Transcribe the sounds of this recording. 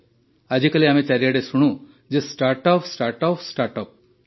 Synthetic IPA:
ɐd͡ʑʱikɐliaːmẽt͡ʃɐɾijaɽesuɽ̃ũ | d͡ʒesʈaːɾʈɔːpsʈaɾʈɔpsʈaɾʈɔːp̚

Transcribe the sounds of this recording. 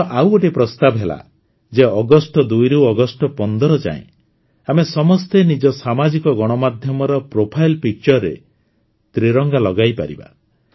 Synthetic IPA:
ʔawoʈepɾɔst̪abɔɦela̰ | d͡ʒeɔɡɔsʈɔd̪ujɾeɔɡɔsʈɔpɔnd̪ɔɾɔd͡ʒa̰ḛ̃ | amesɔmɔst̪enid͡ʒɔsamad͡ʒikɔɡɔɽ̃ɔmad̪ʱjɔmɔɾɔpɾopʰajlpik̚t͡ʃɔɾːḛ | t̪ɾiɾɔŋɡalɔɡajpa̰ɾḭba̰

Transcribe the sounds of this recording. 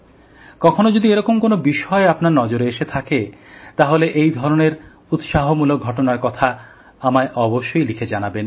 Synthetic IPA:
kɔkʰonod͡ʑod̪ieɾɔkomkonobiʃɔeapnaɾnɔd͡ʑoɾeeʃet̪ʰaket̪aɦoleʔejd̪ʱɔɾoneɾ | ut̪ʃaɦomulok̚ɡʱɔʈonaɾkɔt̪ʰa | amaeʔɔboʃːojlikʰed͡ʑanaben

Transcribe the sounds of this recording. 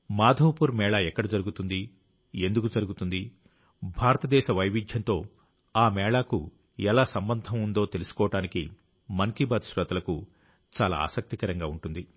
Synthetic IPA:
maːd̪ʱɐwpuɾmɛːɭaːɛkːɐɽɐd͡ʒɐɾuɡut̪und̪i | e̞nd̪ukud͡ʒɐɾuɡut̪und̪i | bʱaːɾɐt̪ɐd̪ɛːʃɐʋɐjʋid͡ʒ̪ʱjɐnt̪o̞ː | aːmɛːɭaːku | ɛlaːsɐmbɐnd̪ʱɐmund̪o̞ːt̪e̞lusu̥kɔːɐʈaːniki | mɐŋkibaːd̪ʃɾɐt̪ɐlɐku | t͡ʃaːla̰ːa̰ːsɐk̚t̪ikɐɾɐŋɡaːuɳʈund̪i

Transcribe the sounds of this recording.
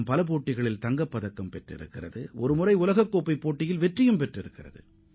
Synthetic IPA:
mpɐlɐp̬oːʈːɪɣɐɭɪlt̪ɐŋɡɐpːɐðɐkːɐmpɛʈrɪ̰ɾɯ̰kːɪrɐðɯʔɔɾɯmʊrɐɪʊlɐɣɐkːoːpːɐɪpːoːʈːɪjɪlʋɛʈrɪjɯmpɛʈrɪɾɯkːɪrɐ̰ðɯ̰

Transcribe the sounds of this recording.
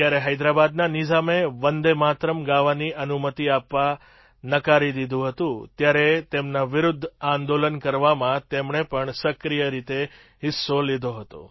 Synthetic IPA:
t̪jaɾeɦəjd̪ɾabad̪nanid͡ʒameʋənd̪emat̪ɾəmɡaʋaniʔənumət̪iapʋa | nəkaɾid̪id̪ʱũɦət̪ũt̪jaɾet̪emnaʋɪɾʊd̪ʱːãnd̪olənkəɾʋamãt̪emɳepəɳsəkɾijəɾit̪e | ɦɪsːolid̪ʱoɦət̪o̰

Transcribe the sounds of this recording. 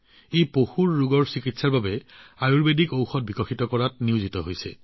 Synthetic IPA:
ejpoxuɹːuɡɔɹsikitsaɹbabɛajuɹbedikowxɔt̚bʱikɔxitɔkɔɹatniʊzitɔɦojsɛ̰

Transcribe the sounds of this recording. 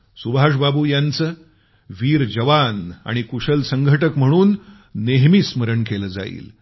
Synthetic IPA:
subʱaʂ̬babuːjant͡səː | ʋiːɾd͡ʑəʋana̰ɽ̃ikuʂəlsəŋɡʱəʈəkm̤əɽ̃uːnː | eɦmisməɾəɳkeləːd͡za̰ḭːl

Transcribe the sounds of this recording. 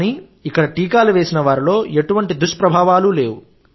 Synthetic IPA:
niː | ikːɐɽɐʈiːkaːluʋe̞ːsinɐʋaːɾilo̞ːeʈuʋɐɳʈid̪uʂpɾɐbʱaːʋaːlule̞ːwu

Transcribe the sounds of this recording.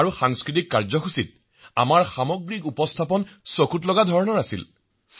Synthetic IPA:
ɹuxaŋskɹit̬ikːaɹzɔxusit̚ | a̰maɹxamɔɡɹik̬upɔstʰapɔnsokʰutlɔɡadʱɔɹnɔɹasḭl | s

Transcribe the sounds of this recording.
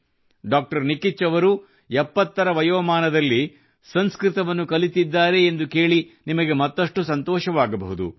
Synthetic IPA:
ɖaːk̚ʈɐɾnikit͡ʃːɐʋɐɾu | ɛpːɐt̪ːɐɾɐʋɐjɐːmaːnɐd̪ɐlːi | sɐnskɾɪt̪ɐʋɐnːukɐlit̪id̪ːaːɾe̞ːnd̪uke̞ːɭinimɐɡe̞mɐt̪ːɐʂʈusɐnt̪ɔːʃɐʋaːɡɐbɐ̰ɦud̪ṵ

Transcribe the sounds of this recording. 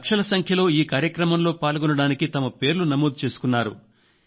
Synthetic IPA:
kʂɐlɐsɐŋkʰjɐlo̞ːiːkaːɾjɐkɾɐmɐmlo̞ːpaːlɡɔnɐɽaːnikit̪ɐmɐpe̞ːɾlunɐmoːd̪̚t͡ʃe̞ːsu̥kunːaːɾṵ

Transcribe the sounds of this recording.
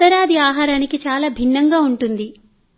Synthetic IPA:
t̪ɐɾaːd̪iaːɦaːɾaːnikit͡ʃaːlaːbʱinːɐŋɡaːuɳʈund̪i

